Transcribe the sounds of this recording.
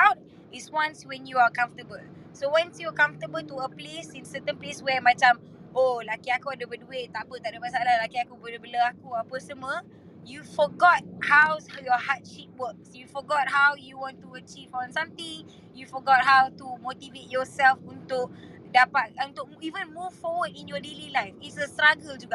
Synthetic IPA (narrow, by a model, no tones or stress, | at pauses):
awt̚ | iswãnswɛ̃njuakãɱftəbəl | sowãnsjukãɱft̪əbəltuəplesĩnsət̪ə̃npleswɛmãt͡ʃãm | olakiakuadəbədueʔ̚t̪aʔbət̪aʔdəmasaalalakiakubələbələakuapəsəmə | jufɔɡɔt̚hawsjɔhat̚ʃip̚wək̚sjufɔɡɔt̚ɦawjuwɔ̃ntuət͡ʃivɔ̃nsãmt̪ĩŋ | jufɔɡɔt̚ɦawtumot̪ivet̚jɔsɛlfunt̪ʊk̚ | dapat̚ũnt̪ʊk̚ivə̃nmuvfɔwədĩnjɔdelilajfitsəstɾaɡəld͡ʒuɡaʔ